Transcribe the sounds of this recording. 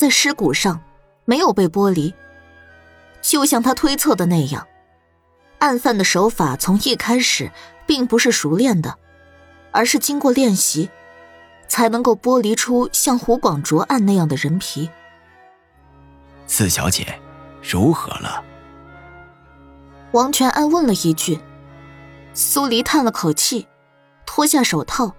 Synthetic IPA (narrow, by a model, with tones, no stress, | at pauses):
t͡sa˥˩ɪʂɻ̩˥ku˨˩ʂɑ˥˩ŋ | me˧˥ɪjo˨˩ʊpe˥˩ɪpwɔ˥li˧˥ | t͡ɕjo˥˧ʊɕjɑ˥˩ŋt̪ʰa˥t̪ʰwe˥ɪt͡sʰɤ˥˩d̪ə˩na˥˧ɪjɑ̰˥˩ŋ | a˥˧nfa˥˩nd̪ə˩ʂo˧˥ʊfa˨˩t͡sʰʊ˧˥ŋi˥˩kʰa˥ɪʂɻ̩˨˩˦pi˥˩ŋpu˧˥ʂɻ̩˥˩ʂu˧˥ljɛ˥˩nd̪ə˩ | ə˞˧˥ʂɻ̩˥˩t͡ɕi˥ŋkwɔ˥˧ljɛ˥˩nɕi˧˥ | t͡sʰa˧˥ɪnɤ˧˥ŋko˥˩ʊpwɔ˥li˧˥ʈ͡ʂʰu˥ɕjɑ˥˩ŋxu˧˥kwɑ˨˩ŋʈ͡ʂwɔ˧˥ʔa˥˧na˥˧jɑ˥˩ŋd̪ə˩ɻə˧˥npʰi˧˥ | t͡sʰɹ̩˥˩ɕjɑ̰˧˥ʊt͡ɕjɛ̰˨˩˦ɻu˧˥xɤ̰˧˥lə̰˧ | wɑ˧˥ŋt͡ɕʰɥɛ˧˥nʔa˥˧nwə˥˩nlə˩i˧˥t͡ɕy˥˩ | su˥li˧˥t̪ʰa˥˩nlə˩kʰo˨˩ʊt͡ɕʰi˥˩ | t̪ʰwɔ˥ɕja˥˩ʂo˨˩ʊt̪ʰɑ˥˩ʊ